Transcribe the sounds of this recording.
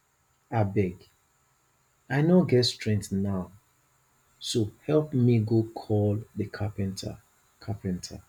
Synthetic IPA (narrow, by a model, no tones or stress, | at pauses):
abɛɡ | aɪnoɡɛtstɹɛ̃ŋktnaʊ | sohɛlpmiɡokʰɔldəkʰapɛ̃ntʰa̰ | kʰapɛ̃ntʰa̰